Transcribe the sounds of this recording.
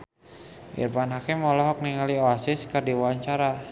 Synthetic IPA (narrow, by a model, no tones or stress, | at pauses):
ʔḭrpanɦakɪmɔlɔɦɔk̚niŋalioasɪskərdiwaɲt͡ʃaɾa